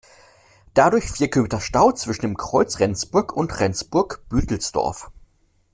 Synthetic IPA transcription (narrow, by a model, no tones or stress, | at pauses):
d̥adʊɐçfiːɐkʰøːmtɐʃtaʊt͡sv̥ɪʃn̩deːmkʁ̥ɔʏt͡sʁɛnt͡sb̥ʊɐkʰʊntʁɛnt͡sb̥ʊɐkb̥yːtl̩sd̥ɔ̰ɐf